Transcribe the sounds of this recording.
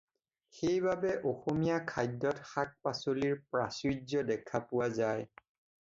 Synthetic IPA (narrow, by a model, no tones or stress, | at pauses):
xejbabɛʔoxomijakʰajdːɔtxak̚pasoliɹpɹasɹizɔdɛkʰapʊwazaj